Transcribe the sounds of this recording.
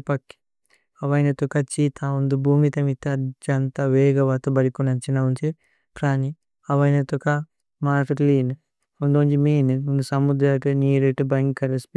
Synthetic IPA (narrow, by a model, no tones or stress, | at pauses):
pɐkːi̥ | ɐʋɐjnɐt̪ukɐt͡ʃiːt̪ʰaund̪ubʱuːmit̪ɐmit̪ɐɐd͡ʒɐnt̪aʋeːɡɐʋaːt̪ubɐɾikunɐnt͡ʃinɐunt͡ʃi | pɾaːni | ɐʋɐjnɐt̪uka | maːʈɐliːn | und̪ond͡ʒimiːnɨunusɐmud̪ɾaʈɨniːɾeʈɨbɐŋkːɐɾɐspi